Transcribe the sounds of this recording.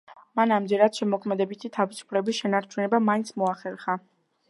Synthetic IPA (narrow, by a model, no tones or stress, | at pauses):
manamd͡ʒɛɾad̪̥ʃɛmɔkʰmɛd̪ɛbit̪ʰit̪ʰavisu̥pʰlɛbisʃɛnaɾt͡ʃʰunɛbamaint̪sʰmɔaχɛɾχa